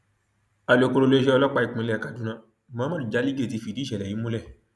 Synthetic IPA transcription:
a˨lo˨ko˧ɾo˧le˦ʃɛ˦ɔ˧lɔ˦k͡pa˦˧i˧k͡pĩ˧lɛ˦˨ka˨˧˨dũ˨˦nã˧˦˨ | mã˨˦mã˦di˨d͡ʒa˨˦li˦ɡe˦˨ti˧˦fi˨˧˨di˦ʃɛ˨lɛ˨ĩ˨˦mõ˦lɛ˦˨

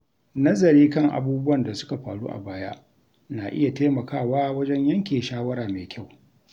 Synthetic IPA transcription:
nɐ˦zɐ˨ɾiː˦kɐ˦ŋʔa̰˨buː˦bʊ˦wɐ˨nda˨sʊ̥˦ka˨ɸaː˨ɽṵː˦ʔa̰˨baː˦ja̰˦ʔ | na˨ʔɪ̰˦ja˨teː˦mɐ˨kaː˦˨waː˦wɐ˦d͡ʒɛ˦ɲjɐ˦ŋkʲeː˨ʃaː˦wɐ˦ɽaː˨meː˨kʲa˦˨w

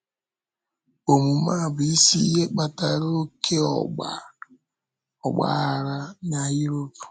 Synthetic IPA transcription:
o˨mu˨ma˦˨bʊ˨i˦si˦ɦe˦k͡pa˨ta˨ɾo˦kʰe˦ɔ̰˨ɡ͡ba̰˨ | ɔ˨ɡ͡ba̰˦a˨ɾa˦ɲa˦ji˦ɾo˦pu̥˨

